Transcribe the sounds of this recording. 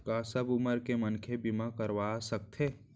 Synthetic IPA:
kasɐbʊməɾkemənkʰebimakɐɾʋaːsɐk̚t̪ʰeː

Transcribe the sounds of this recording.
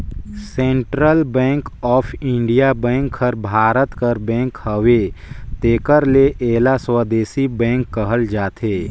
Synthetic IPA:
sẽːɳʈɾəlbɛ̃ːŋkɔːpʰɪ̃ɳɖijabɛ̃ːŋkʰːəɾbʱaːɾət̪kəɾbɛ̃ːŋkhəʋet̪eːkəɾleʔeːlaswəːd̪eːsibɛ̃ːŋkːəɦəld͡ʒaːt̪ʰeː

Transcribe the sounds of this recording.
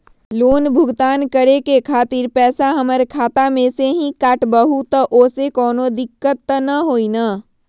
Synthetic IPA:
loːnbʱʊɡt̪aːnkəɾekekʰaːt̪iɾpɛːsaɦɐməɾkʰaːt̪amẽseɦĩkaːʈbəɦut̪əʔoːsekɔːnod̪ɪkːət̪ːnɐɦoːinaː

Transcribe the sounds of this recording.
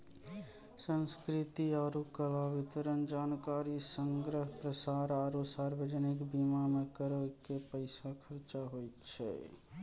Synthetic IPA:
sənskɾit̪iaɾukəlabit̪əɾənd͡ʒankaɾisəŋɡɾəɦpɾəsaɾaɾusaɾbed͡ʒənikbimamekəɾəkepəɪsakʰəɾt͡ʃaɦojt̪t͡ʃʰɛ̰

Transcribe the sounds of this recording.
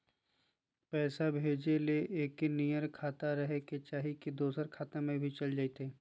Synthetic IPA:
pɛːsabʱeːd͡ʒeleʔeːkːenijəɾkʰaːt̪aɾɐɦeket͡ʃaːɦikid̪oːsəɾkʰaːt̪ẽmẽbʱit͡ʃɐld͡ʒaːit̪eː

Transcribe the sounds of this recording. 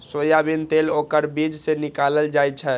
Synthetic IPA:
sojabint̪elokəɾbid͡ʒsenikaləld͡ʒajt͡ʃʰɛ

